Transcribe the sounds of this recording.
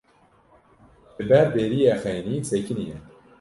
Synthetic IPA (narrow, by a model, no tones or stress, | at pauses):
ɨbɛɾbeːɾijɛxɛjnisekʰinijɛ